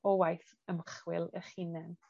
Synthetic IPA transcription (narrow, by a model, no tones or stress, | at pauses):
ɔwajθ | əmχwɪlˠəχinɛn